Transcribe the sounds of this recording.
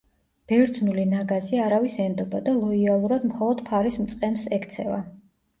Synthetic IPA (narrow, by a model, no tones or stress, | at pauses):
b̥ɛɾd̪znulinaɡaziaɾavisɛnd̪ɔbad̪alˠɔialˠuɾad̪mχɔlˠɔd̪̥pʰaɾismt̪sʼqʼɛmsɛkʰt̪sʰɛva̰